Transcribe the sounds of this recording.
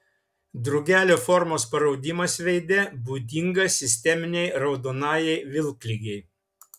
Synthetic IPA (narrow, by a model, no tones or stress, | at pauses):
d̪ɾʊɡʲæːlʲoːfɔɾmoːspɐɾɒʊd̪ʲɪmɐsʋʲɛɪd̪ʲɛbuːd̪ʲɪŋɡɐsʲɪsʲt̪ʲɛmʲɪnʲɛɪɾɒʊd̪oːnɑːjɛɪʋʲɪlˠklʲɪɡʲɛɪ